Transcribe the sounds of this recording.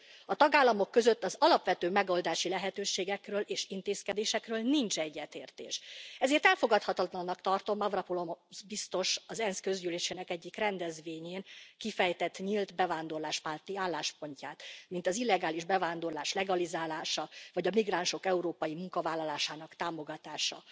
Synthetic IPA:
ɒt̪ɒɡaːlːɒmo̞kːø̞zøt̪ːɒzɒlɒpʋɛt̪øːmɛɡo̞ld̪aːʃilɛɦɛt̪øːʃeːɡɛkrøːlʔeːʃint̪eːskɛd̪eːʃɛkrøːlnint͡ʃɛɟːɛt̪ḛːrt̪ḛːʃɛzeːrt̪ɛlfo̞ɡɒt̪hɒt̪ɒt̪lɒnːɒkt̪ɒrt̪o̞mɒvrɒpolo̞mzbist̪o̞ʃɒzɛnskø̞zyleːʃeːnɛkɛɟːikrɛnd̪ɛzʋeːɲeːnkifɛjt̪ɛt̪ːɲilt̪bɛvaːnd̪o̞rlaːʃpaːrt̪iaːlːaːʃpo̞ɲcaːt̪mint̪ɒzilːɛɡaːliʒbɛvaːnd̪o̞rlaːʃlɛɡɒlizaːlaːʃɒvɒɟɒmiɡraːnʃo̞kɛuɾoːpɒjimuŋkɒvaːlːɒlaːʃaːnɒkt̪aːmo̞ɡɒt̪aːʃɒ̰

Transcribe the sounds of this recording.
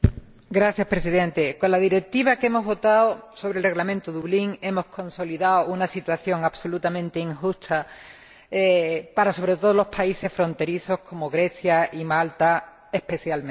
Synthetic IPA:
ɡɾaθjaspɾe̞s̬iðẽ̞nt̪e̞ko̞nlaðiɾe̞k̚t̪iβ̞akemo̞ɦβo̞t̪aoso̞βɾelre̞ɣlamẽnt̪uðuβliŋe̞mo̞hkʰõ̞nso̞liðaounasit̪waθjo̞ŋaβso̞lut̪amẽnt̪eiŋxust̪ʰa | paɾaso̞β̞ɾet̪oðolo̞hpʰaise̞sfɾõ̞nt̪e̞ɾiso̞hkʰo̞moɣɾe̞θjaʔimalt̪a | e̞hpe̞θjalm̃

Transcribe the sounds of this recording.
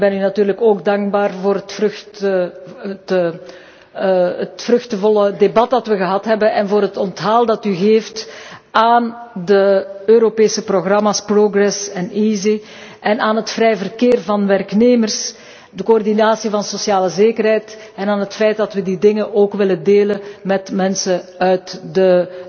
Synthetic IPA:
bɛnynɑtyːrləkoːɡdɑŋɡ̚baːrvoːrətfrt | t | ətfrɵxtəvɔlədebɑt̚dɑtʋəɣəɦɑtɦɛbənɛnvoːɾɦətɔntɦalˠdɑtyɣeːftaːndəøɾopeːsəproɣrɑmaːsproɡrɛsɛnizi | ʔɛnaːnɦətfɾɛjvərkeːrvɑnʋɛrkneːmərs | dəkoɔrdinaːsivɑnsosjaːləzeːkərɦɛjt | ɛnaːnɦətfɛjt̚dɑtʋədidɪŋənʔoːkʋɪləndeːlənmɛtmɛnsəœɥtdə

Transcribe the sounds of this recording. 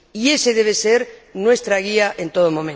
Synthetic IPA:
ie̞seðe̞β̞eseɾnwe̞st̪ɾaɣ̞iaʔent̪o̞ðomõ̞mẽ

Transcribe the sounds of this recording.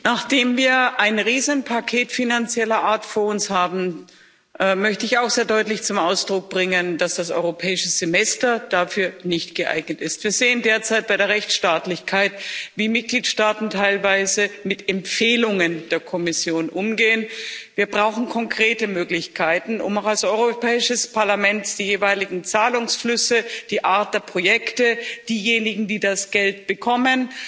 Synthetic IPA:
naχd̥eːmviːɐʔaɪnʁiːzənpʰakʰeːtfinant͡sjɛlɐʔaːɐtfoːɐʊnshaːbm̩ | ʔɛmœçtəɪçaʊxz̥eːɐdɔʏtlɪçt͡sʊmʔaʊsd̥ʁʊk̚b̥ʁɪŋəndasd̥asʔɔ̰ʏʁopʰɛːɪʃəz̥emɛstɐd̥afyːɐnɪçtɡ̥əʔa̰ɪɡnətɪstv̥iːɐzeːəndeːɐt͡saɪt̚b̥aɪɾeːɐʁɛçt͡sʃtaːtlɪçkʰaɪtviːmɪt̚ɡ̥liːtʃtaːtn̩tʰaɪlvaɪzəmɪtɛmfeːlʊŋənd̥eːɐkʰɔmɪsjoːnʔʊmɡeːənviːɐbʁaʊxn̩kʰɔŋkʁ̥eːtəmøːklɪçkʰaɪtn̩ʊ̰maʊxalsʔɔʏʁopɛːɪʃəspʰaɐlamɛntd̥iːjeːvaɪlɪɡŋ̩t͡saːlʊŋsflʏsəd̥iːʔaɐt̚d̥eːɐpʁ̥ojɛktəd̥iːjeːnɪɡŋ̩diːdasɡ̥ɛltb̥əkʰɔmən

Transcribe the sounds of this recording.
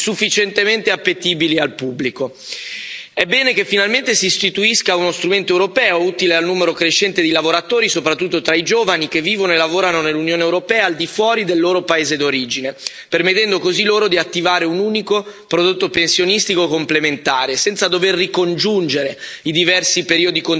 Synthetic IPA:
sufːit͡ʃent̪ement̪eapːet̪iːbilialpubːliko | ɛbːɛːnekefːinalment̪esiːst̪it̪uiskaunost̪ɾument̪oewɾopɛːouːt̪ilealnuːmeɾokɾeʃːɛnt̪ed̪ilavoɾat̪oːɾisopɾat̪ːut̪ːot̪ɾaid͡ʒoːvanik̟evːiːvonoelavoːɾanonelːunjoːnewɾopɛːaːld̪ifwɔːɾid̪elːoːɾopaeːzed̪oɾiːd͡ʒine | permet̪ːɛnd̪okoziloːɾod̪iat̪ːivaːɾeunuːnikopɾod̪ot̪ːopensjonist̪ikoekomplement̪aːɾesɛnt̪sad̪overːikond͡ʒund͡ʒeɾeid̪ivɛrsipeɾiːod̪ikon

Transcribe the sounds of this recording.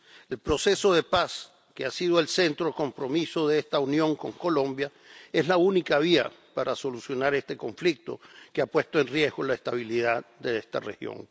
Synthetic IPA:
e̞lpɾo̞se̞so̞ð̞e̞pas | keasiðoe̞lse̞nt̪ɾoko̞mpɾo̞miso̞ðeest̪aunjõ̞ŋko̞ŋko̞lõ̞mbja | e̞slaunikaβ̞ia̰paɾaso̞lusjo̞naɾe̞st̪e̞ko̞ɱflik̚t̪o̞̰keapwe̞st̪oe̞nrje̞zɡo̞laest̪aβ̞iliðaðd̪eest̪a̰rexjo̞̰ŋ

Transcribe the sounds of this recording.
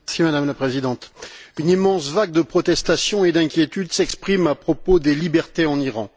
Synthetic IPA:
ɛsimad̪amlapχezid̪ɑ̃t̪ynimɑ̃svaɡ̚d̪əpχɔt̪ɛst̪asjɔ̃ed̪ɛ̃kʲjet̪yd̪sɛkspχimapχɔpod̪elibɛʁt̪eɑ̃niʁɑ̃

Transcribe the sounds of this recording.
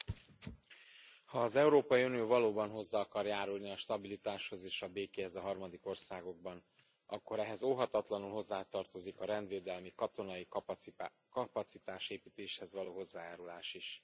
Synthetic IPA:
hɒːzɛuɾoːpɒjiunijoːvɒloːbɒnɦo̞zːaːɒkɒrjaːɾulniɒʃt̪ɒbilit̪aːʃho̞zeːʃɒbeːkeɦɛzɒɦɒrmɒd̪iko̞rsaːɡo̞ɡ̚bɒn | ʔɒkːo̞ɾɛɦɛzoːɦɒt̪ɒt̪lɒnulɦo̞zːaːt̪ɒrt̪o̞zikɒɾɛnd̪ʋeːd̪ɛlmikɒt̪o̞nɒji | kɒpɒt̪sit̪aːʃeːpiːt̪eːʃhɛzʋɒloːɦo̞zːaːjaːɾulaːʃiʃ

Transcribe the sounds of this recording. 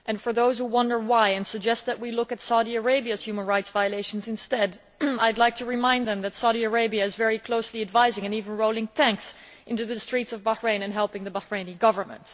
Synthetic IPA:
ʔɨ̃nfə˞ðoʊz̥huwʌ̃ndə˞waɪɨ̃nsɨɡ̚d͡ʒɛst̪̚ðɨʔ̚wilʊkɨtsaʊɾiɨ˞eɪbiɨz̥hjʉmə̃nɹaɪtsv̥aɪɨleɪʃn̩zɨ̃nstɛd | aɪdˡlaɪk̚tʰɨɹɨmãɪ̃nðɨ̃mðɨtsaʊɾiə˞eɪbiɨɨzvɛɹikʰl̥oʊsliɨdvaɪzɪ̃ŋɨ̃nivɨ̃n̩ɹoʊlˠɪ̃ŋtʰæ̃ŋks | ʔɪ̃ntʉðɨstɹ̥itsʌvbəhɹẽɪ̃nɨ̃nɦɛlˠpɪ̃ŋðɨbəhɹẽɪ̃niɡʌvə˞mə̰̃nt

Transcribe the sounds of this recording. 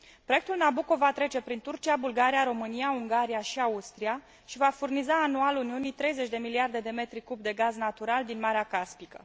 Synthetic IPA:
pɾo̞jekt̪ulnabuko̞vat̪ɾe̞t͡ʃe̞pɾint̪urt͡ʃiabulɡaɾijaɾo̞mɨnijauŋɡaɾijaʃiaust̪ɾija | ʃivafurnizaːnualuniunit̪ɾe̞jze̞t͡ʃʲd̪e̞miliard̪e̞d̪e̞me̞t̪ɾikubd̪e̞ɡaznat̪uɾald̪inmaɾeakaspikə̰

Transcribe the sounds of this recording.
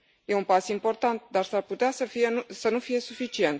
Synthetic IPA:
je̞unpasimpo̞rt̪ant̪̚d̪arsarput̪easəfijesənufije̞sufit͡ʃie̞nt̪

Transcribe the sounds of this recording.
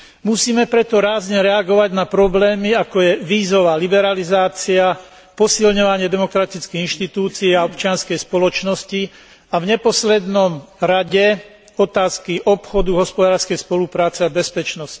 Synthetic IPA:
musiːmɛpɾɛt̪ɔɾaːzɲɛɾɛaɡɔʋaɟnapɾɔblɛːmiakɔjɛʋiːzɔʋaːlibɛɾalizaːt͡sia | pɔsilɲɔʋaɲɪɛd̪ɛmɔkɾat̪it͡skiːɣinʃt̪it̪uːt͡siɛaɔpt͡ʃɪanskɛjspɔlɔt͡ʃnɔsci | avɲɛpɔslɛd̪nɔmɾaɟɛ | ɔt̪aːskiʔɔpxɔd̪uɦɔspɔd̪aːɾskɛjspɔlupɾaːt͡sɛabɛspɛt͡ʃnɔsci̥

